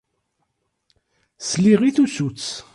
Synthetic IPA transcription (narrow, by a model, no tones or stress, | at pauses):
sliʁiθusut͡sː